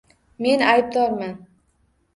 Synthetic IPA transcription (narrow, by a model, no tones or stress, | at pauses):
me̞najb̚d̪ɒɾman